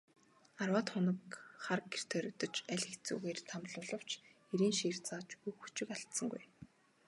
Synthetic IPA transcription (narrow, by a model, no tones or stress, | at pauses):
arwaːt̪χʊnə̆kχarɡer̥t̪ʰœːɾɵ̆t̪ə̆t͡ɕæɮʲɘ̆xt͡sṵːɣeːrt̪ʰamɮʊːɮə̆w̥t͡ɕ | eɾiːnʃiːr̥t͡saːt͡ɕujxut͡ɕɪ̆kaɬt̪sə̆ŋɡuj